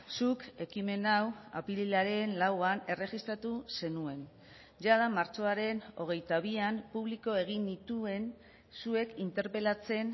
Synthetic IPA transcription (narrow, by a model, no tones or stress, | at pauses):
suke̞kime̞nawa̰pililaɾe̞nlawane̞re̞ɣist̪ɾat̪use̞nue̞n | ʝaðamaɾt͡ʃo̞aɾe̞no̞̰ɣ̞e̞jt̪aβ̞iampuβ̞liko̞e̞ɣ̞inːit̪ue̞n | sue̞kint̪e̞ɾpe̞lat͡se̞n